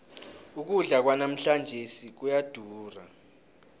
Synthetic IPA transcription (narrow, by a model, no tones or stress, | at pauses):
uk̬uɮak̬wanam̩ɬand͡ʒʱesik̬ujad̥ʱuːra